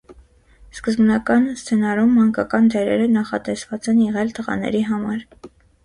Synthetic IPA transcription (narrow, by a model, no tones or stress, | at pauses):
skəzbnɑkɑnst͡sʰɛnɑɾumːɑŋkɑkɑnd̪ɛɾɛ̰ɾənɑχɑ̰t̪ɛsvɑt͡sɛnjɛʁɛlt̪əʁɑ̰nɛ̰ɾiɦɑmɑɾ